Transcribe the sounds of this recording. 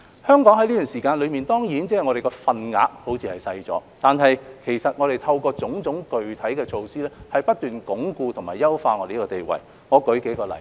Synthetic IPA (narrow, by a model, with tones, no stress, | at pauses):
hœː˥ŋkɔː˨˥ŋhɐ˨˥liː˥t̪yː˨˩nsiː˨˩kaː˧nlɵ˨˧ɥmiː˨nt̪ɔː˥ŋjiː˨˥nt͡sɛː˥hjŋɔː˨˧ɾe˨jkɔː˧fɐ˧nŋa̰ː˨˧˥k̚ho˨˥wt͡sʰiː˧hɐ˨jsɐ˧jt͡sɔ̰ː˨˥t̪aː˨nɦɐ˨jkʰe˨˩jsɐ˨t̚ŋɔː˨˧ɾe˨jt̪ʰɐ˧wkɔː˧t͡sʊ˨˥ŋt͡sʊ˨˥ŋkɵ˨ɥt̪ʰɐ˨˥jkɛː˧t͡ʃʰo˧wsiː˥lɛː˥hɐ˨jpɐ˥t̚t̪yː˨nkʊ˨˥ŋkuː˧t̪ʰʊ˨˩ŋmaː˨˩jɐ˥wfaː˧ŋɔ˨˧e˨jkɔː˧t̪e˨jwɐ̰˨˩j | ŋɔː˨˧kɵ˨˥ɥke˨˥jkɔː˧lɐ̰˨˩j